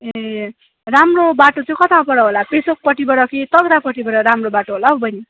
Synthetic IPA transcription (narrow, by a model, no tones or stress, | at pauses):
e | ramrobaʈot͡sʌĩkʌt̪ʰãpʌɽʌɦolapesok̚pʌʈibʌɽʌkit̪ʌɡɾapʌʈibʌɽʌɾamrobaʈoɦolabʌjni